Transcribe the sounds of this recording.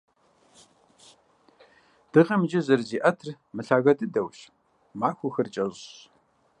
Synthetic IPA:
d̥ɨʁɐmd͡ʒɪzɨrziːʔɐtʰr | mɨɬaːɣɐtʼɨdɐwɕ | maːxʷʊxɐrt͡ʃʼɐʑ

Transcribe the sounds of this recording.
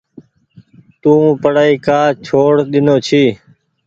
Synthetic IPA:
t̪ũːpəɽaːiːkaːt͡ʃʰoːɽɗ̪ɪnoːt͡ʃʰiː

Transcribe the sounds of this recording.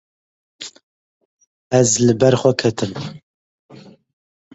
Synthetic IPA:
ɛzlɨbɛɾχʷɛkʰɛt̪ʰɨm

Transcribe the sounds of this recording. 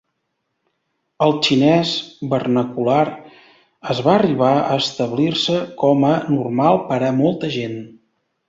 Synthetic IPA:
əlˠt͡ʃinɛzbərnəkulaɾ | əzβaəriβaə̰ːst̪əβlirsəkɔmənurmalˠpəɾəmɔlˠt̪əʒen

